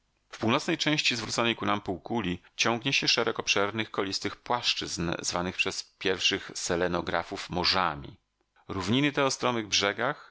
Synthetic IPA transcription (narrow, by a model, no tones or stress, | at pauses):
fpuwnɔt̪snɛjt͡ʂɛ̃w̃ɕt͡ɕizvɾut̪sɔnɛjkunampuwkulʲi | t͡ɕɔŋɡɲɛɕɛʂɛɾɛkɔpʂɛɾnɘxkɔlʲist̪ɘxpwaʂt͡ʂɘznzvanɘxpʂɛspʲjɛɾfʂɘxsɛlɛnɔɡɾa̰fufmɔʐamʲḭ | ɾuvɲinɘt̪ɛɔst̪ɾɔmɘɣbʐɛɡax